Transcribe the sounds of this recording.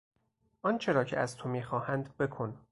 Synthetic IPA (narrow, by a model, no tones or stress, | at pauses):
ʔɒnt͡ʃʰe̞ɾɒːcʰḛæzt̪ʰomiːxɒːhænd̪be̞kʰo̞n